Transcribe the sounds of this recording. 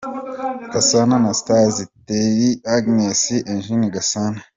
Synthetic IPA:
ɡ̥asananast̪aːzit̪ːejiaɡnesiʔenʒiniɡɐsana

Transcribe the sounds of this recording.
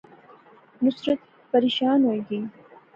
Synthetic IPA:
nʊsɾət̪ | pɐɾiːʃaːnɦoːjɡi

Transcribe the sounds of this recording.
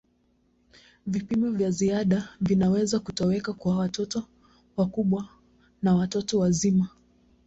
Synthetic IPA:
vipimɔvjaziaɗavinawɛzakutɔwɛkakwawatɔtɔ | wakuɓwa | nawatɔtɔwazima

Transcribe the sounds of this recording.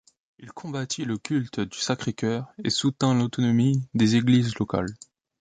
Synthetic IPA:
ilkʰɔ̃bat̪ʰiləkʲylt̪d̪ysakχekʲœːʁesut̪ɛ̃lot̪ɔnɔmid̪ezeɡlizlɔka̰l

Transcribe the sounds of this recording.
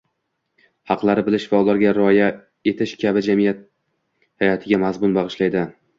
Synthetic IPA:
hɑqlˠaɾɪbɪlɪʃvaʊlaɾɡʲaɾɪɒja | e̞t̪ʰɪʃkʲʰabɪd͡ʒamɪjat̪̚ | hajɒt̪ʰɪɡʲamazmʊnbɑʁɨʃlajd̪ɪ

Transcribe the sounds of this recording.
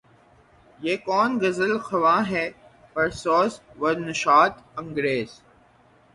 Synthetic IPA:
jeːkɔːnɡɐzəlxɐʋaːɦɛː | pɐɾsɔːsʋɐɾnɪʃaːt̪ɐ̃ŋɡɾeːz̥

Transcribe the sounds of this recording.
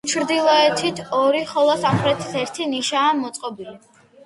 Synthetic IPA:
t͡ʃʰɾd̪ilˠɔɛt̪ʰit̪ʰɔɾiχɔlˠɔsamχɾɛt̪ʰi̥sɛɾt̪ʰiniʃaːmɔt̪sʼqʼɔbili

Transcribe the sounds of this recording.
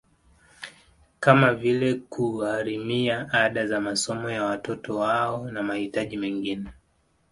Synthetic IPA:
kamavilɛkʰuaɾimiaaɗazamasɔmɔjawatɔtɔwaɔnamahitaʄimɛŋɡinɛ

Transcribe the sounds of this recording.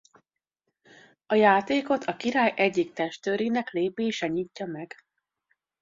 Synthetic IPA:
ɒjaːt̪eːko̞t̪ʰɒkiɾaːjʔɛɟːik̚t̪ɛʃt̪øːɾinɛkleːbeːʃɛɲiːcːɒmɛɡ̥

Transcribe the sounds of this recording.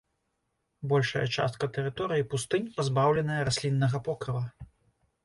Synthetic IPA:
bɔlʲʂɐjɐ̰t͡ʂa̰st̪̚kɐt̪ɛɾɨt̪ɔɾɨjipust̪ɨnʲpazbawlʲɛnɐjɐɾasʲlʲinːɐɣɐpɔkɾɨlˠɐ

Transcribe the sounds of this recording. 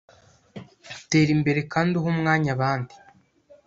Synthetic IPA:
ute̞ːɾimbe̞ɾe̞kaːndiɦomŋaːɲaβaːndi̥

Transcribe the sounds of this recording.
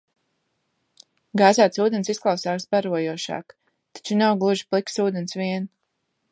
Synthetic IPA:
ɡaːzaːt̪suːd̪ɛnsisklˠawsaːksbaɾuɔjuɔʃa̰ːk | t̪ḁt͡ʃunawɡlˠuʒi̥plˠiksuːd̪ɛnsviɛn

